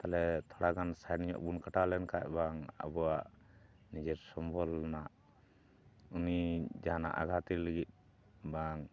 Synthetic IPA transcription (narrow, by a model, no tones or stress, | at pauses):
t̪alɛt̪ʰɔɽaɡansaɛniɲɔ̰ʔbunkaʈalɛnkaʔ̚baŋa̰bɔaʔ | nid͡ʒɛɾsɔmbɔlːnaʔ | unid͡ʒaɦana̰ʔa̰ɡʱat̪iləɡit̪̚ˀ | baŋ